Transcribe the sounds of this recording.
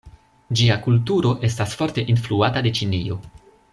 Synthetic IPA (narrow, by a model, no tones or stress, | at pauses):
d͡ʒiakultuɾo̞ʔe̞s̬tasfo̞ɾte̞ʔinfluatade̞t͡ʃinio̞